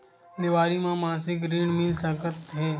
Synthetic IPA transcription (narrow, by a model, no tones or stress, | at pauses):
d̪ɪʋaːɾimãmãːnsɪkɾiːɳmɪlsəkət̪ɦeː